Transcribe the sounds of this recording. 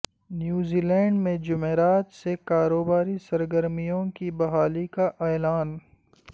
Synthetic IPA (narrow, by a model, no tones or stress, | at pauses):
njuːziːlɛ̃ːɳɖmẽd͡ʒʊmeːɾaːt̪sekaːɾoːbaːɾisɐɾɡəɾmijõkibɐɦaːlikaʔɛːlaːn